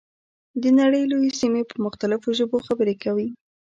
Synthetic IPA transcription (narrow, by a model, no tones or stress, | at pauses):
d̪ənaɽəjlojesimepəɾmʊxt̪alɪfoʒəboxabəɾekawi